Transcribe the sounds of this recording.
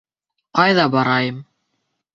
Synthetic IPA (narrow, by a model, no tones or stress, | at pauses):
qɑjðɑbɑɾɑjɤm